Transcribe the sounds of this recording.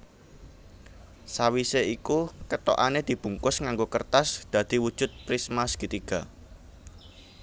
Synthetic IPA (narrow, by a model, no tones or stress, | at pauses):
sawiseikukət̪o̰ʔaned̪̥i̤b̥ṳŋkʊsŋaŋɡokərt̪asd̪̥ä̤d̪̥i̤wud̥ʒ̥ʊ̤t̪̚pɾismaskit̪iɡ̥a